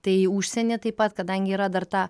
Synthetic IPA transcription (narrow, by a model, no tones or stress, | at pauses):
t̪ɐɪuʃʲsʲɛnʲɛt̪ɐɪpɐt̪kɐd̪ɐŋʲɡʲɪiːɾɐd̪ɐɾt̪ɑː